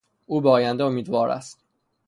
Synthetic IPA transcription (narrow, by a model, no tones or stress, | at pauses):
uːbeɒːjænd̪eomiːd̪vɒːɾæ̰st̪